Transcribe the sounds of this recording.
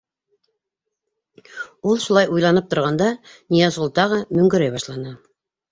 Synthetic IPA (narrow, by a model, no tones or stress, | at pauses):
ulˠʃulˠɑjujlˠɑnɤp̚t̪ŏɾʁɑnd̪ɑnʲijɑzŭlˠt̪ɑʁɤmɵ̆ŋɡɘ̆ɾæjbɑʃlˠɑnɤ